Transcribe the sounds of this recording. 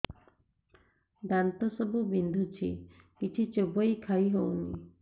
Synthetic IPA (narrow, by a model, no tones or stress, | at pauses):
d̪ant̪ɔsɔbubind̪ʱut͡ʃʰi | kit͡ʃʰit͡ʃebɔjkʰajɦownḭ